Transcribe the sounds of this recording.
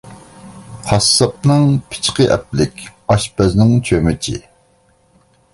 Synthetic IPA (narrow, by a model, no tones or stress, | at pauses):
hʰɑsːɑp̚nɨŋpʰɪ̥t͡ʃqəʔɛ̰p̚lɪkʲɑʃpɛznɪŋt͡ʃʰømɪt͡ʃʰḭ